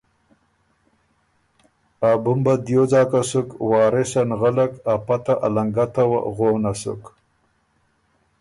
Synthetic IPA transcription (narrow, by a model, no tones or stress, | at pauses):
abumbad̪joːzɑːkasukwɑːɾesanɣalakapat̪aʔalaŋɡat̪awa̰ɣoːnasṵk